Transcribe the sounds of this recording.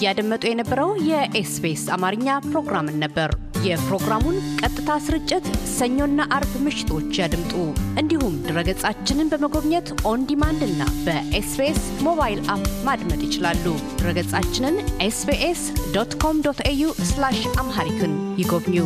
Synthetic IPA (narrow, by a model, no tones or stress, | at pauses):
jad̪əmːət̪ʼujɛnəbːəɾəwjɛʔesbesamaɾɨɲːapɾo̞ɡɾamɨnːəbːəɾ | jɛpɾo̞ɡɾamunkʼət̪ʼːɨt̪ʰasɨɾɨt͡ʃʼːɪt̪səɲːo̞nːaʔaɾbmɨʃɪ̥t̪ʰo̞t͡ʃːjad̪ɨmt̪ʼuʔɨnd̪ihumd̪ɨɾəɡət͡sʼat͡ʃːɪnɨnbəməɡo̞βɲət̪ʔo̞nd̪imand̪ɨnːa̰bəʔesbes | mo̞βajlapmad̪mət̪ʼjɪt͡ʃɪlalːud̪̥ɨɾəɡət͡sʼat͡ʃːɪnɨnʔesbeʔesd̪ot̪kʰo̞md̪ot̪ʰejuslaʃamɦaɾit̪ʰunjɪɡo̞βɲu